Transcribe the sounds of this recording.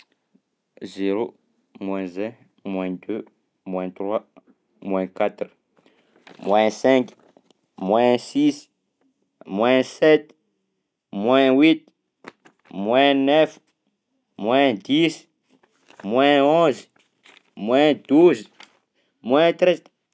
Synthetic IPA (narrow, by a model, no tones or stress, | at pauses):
zeɾo | mwɛ̃zɛ̃ | mwɛ̃d̪ø | mwɛ̃t̪ɾwa | mwɛ̃kat̪ɾ | mwɛ̃sɛ̃k | mwɛ̃sis | mwɛ̃sɛt̪ | mwɛ̃wit̪̚ | mwɛ̃nɛf | mwɛ̃d̪is | mwɛ̃ɔ̃z | mwɛ̃d̪̥uz | mwɛ̃t̪ɾɛz